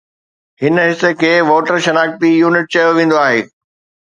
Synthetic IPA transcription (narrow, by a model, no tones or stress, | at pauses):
hɪnɦɪsĕkʰeːʋoːʈəɾʃɐnaːk̚pijuːnɪʈ̚t͡ɕɐjoʋẽːn̆d̪oaːɦḛː